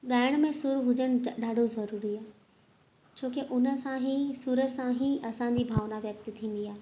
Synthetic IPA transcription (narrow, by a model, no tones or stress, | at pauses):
ɠaːɪəɽ̃mẽsʊɾuɦʊd͡ʑəɽ̃̆ɗaːɖʱozɐɾuːɾiaːɦ | t͡ɕʰoːkeʔʊnə̆sãɦisuɾəsãɦĩʔɐsãːɲ̆d͡ʑibʱaːʋnaʋjɐk̚t̪t̪ʰĩːn̆d̪iaːɦe